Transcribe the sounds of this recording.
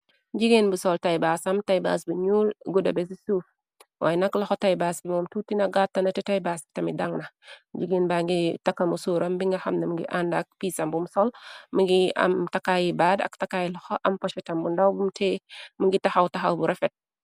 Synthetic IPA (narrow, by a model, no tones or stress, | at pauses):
d͡ʒiɡenbusɔltɐjbasɐmtajba̰sbuɲuːlɡudɐbɛs̬isuːf | waːjɛnɐklɐxɔtajbaːsibɔmtutinɐɡatːɐnɐtɛtajbaːstɐmidaŋnɐd͡ʒiɡeːnbaːŋɡitɐkːɐmusuːɾɐmbiŋɡɐxɐmnɐmuŋɡḭʔandɐk̚piːsɐmbumsɔlmiŋɡiɐ̰mtɐkajibaːdɐ̰ktɐkajilɐxɔʔɐmpɔʃɛtɐmbundawbumtɛmuŋɡitɐxɐwtɐxɐwbuɾɛfɛt̚